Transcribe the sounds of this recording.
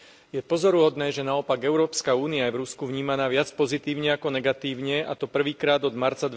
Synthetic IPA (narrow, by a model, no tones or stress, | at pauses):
jɛpɔzɔɾuɦɔd̪nɛːʒɛnaɔpaɡɛʊɾɔːpskauːniajɛvɾuskuvɲiːmanaːʋɪat͡spɔzit̪iːʊɲɛakɔnɛɡat̪iːʊɲɛat̪ɔpr̩ʋiːkɾaːd̪ɔd̪maɾt͡sad̪